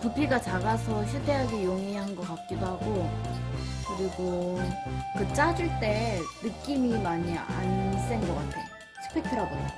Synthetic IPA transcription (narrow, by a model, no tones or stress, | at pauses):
tupʰiɡat͡ɕaɡasʰʌɕʰitʰe̞ɦaɡijoŋiɦanɡʌk͈ak̚k͈idohaɡo | kɯɾiɡo | kɯt͡ɕ͈ad͡ʑuɭt͈e̞nɯk͈imimaɲia̰ns͈enɡʌk͈atʰejo | sʰɯ̥pʰekʰɯɾaɡoo